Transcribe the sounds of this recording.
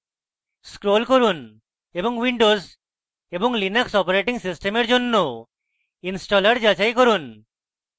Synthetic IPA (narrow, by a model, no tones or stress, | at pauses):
skɾolkoɾun | eboŋwiɳɖoz | eboŋlinaksɔpoɾeʈiŋsisʈemeɾd͡ʑonːo | insʈɔlaɾd͡ʑat͡ɕajkoɾun